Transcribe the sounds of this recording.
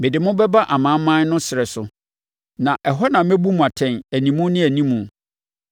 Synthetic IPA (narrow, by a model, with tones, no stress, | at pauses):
mɪ˨dɪ˨mʊ̃˦bɛ˦ba˦ʔa˨mã˨˦mːã˦n˦nʊ̃˦sɪ˨ɛ˨sʊ˨ | nã˨ʔɛ˨ɦɔ˦nã˨mæ̃˦bu˦mũ˨a˨tʰɛ̃˨næ˨nĩ˨mũ˦nɪ̃˦æ˨nĩ˦mũ˨